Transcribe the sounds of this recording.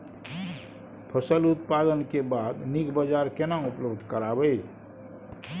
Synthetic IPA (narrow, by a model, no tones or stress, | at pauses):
pʰəsəlut̪̚pad̪ənkebad̪nikbəd͡ʒaɾkenaupləbd̪ʱkəɾabəi